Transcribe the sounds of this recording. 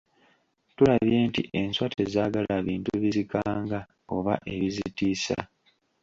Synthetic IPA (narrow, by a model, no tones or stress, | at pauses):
tulaβje̞ːntḭʔe̞nswate̞zaːɡalaβiːntuβizikaːŋɡa | o̞βa̰ʔe̞βizitiːsa̰